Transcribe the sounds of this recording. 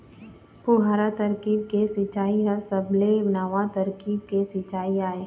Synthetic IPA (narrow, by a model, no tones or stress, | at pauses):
pʊɦaːɾat̪ɐɾkiːb̚kesɪt͡ʃaːiɦɐɾsɐblebnaːʋat̪ɐɾkiːb̚kesɪt͡ʃaːiaːe